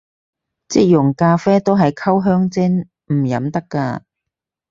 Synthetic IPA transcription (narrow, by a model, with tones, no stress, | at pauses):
t͡sɪ˧˥k̚jʊ˨˩ŋkaː˧fɛː˥t̪o˥wɦɐ˨jkʰɐ˥wɦœː˥ŋt͡sɪ˥ŋ | m̩˨˩jɐ̰˨˥mt̪ɐ˥kːa̰ː˧